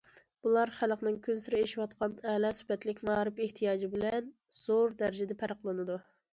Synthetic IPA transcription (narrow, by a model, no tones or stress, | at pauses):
b̥ulˠɑɾχælqnɪŋkʲʰynsiɾɪeʃiwɑt̪̚qʰɑnɛːlɑsy̥hpɛt̪lɪkʲmɑːɾɨpeht̪ʰijɑːd͡ʒibɪlɛn | z̥oɾd̪æɾɪd͡ʒɪd̪ɛpʰæɾqlˠɨnɨd̪u